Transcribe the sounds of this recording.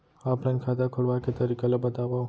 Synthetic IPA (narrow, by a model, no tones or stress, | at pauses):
aplãnkʰad̪akʰoɭʋaket̪əɾikalobət̪aʋã